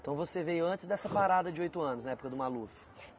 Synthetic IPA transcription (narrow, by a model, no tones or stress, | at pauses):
t̪ɐ̃w̃vosevejʊɐ̃nt͡ʃɪzd̪ɛsɐpaɾad̪ɐd͡ʒɪojt̪ʊɐ̃nʊznɐɛpʊ̥kɐd̪ʊmalufʊ̥